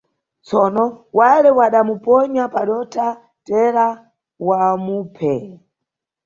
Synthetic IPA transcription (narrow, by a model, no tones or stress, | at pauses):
t͡sɔnɔwalɛwaɗamupɔɲapaɗɔtʰa | tɛɾa | wamuːpʰɛ